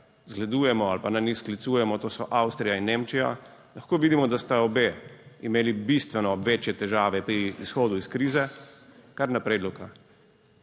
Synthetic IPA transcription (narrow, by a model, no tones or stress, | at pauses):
zɡlɛd̪uːjɛmɔalpananixsklit̪suːjɛmɔt̪oːsɔʔawst̪ɾijainːeːmt͡ʃija̰ | laxkoːʋiːd̪imɔd̪ast̪aɔbeːimeːlibist̪ʋɛnɔʋeːt͡ʃjɛt̪ɛʒaːʋɛpɾiːsxoːd̪uiskɾiːzɛkaɾnapɾeːd̪lɔka